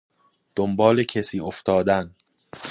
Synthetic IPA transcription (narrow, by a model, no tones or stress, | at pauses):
d̪̥ombɒːlecʰesiːoft̪ʰɒːd̪æn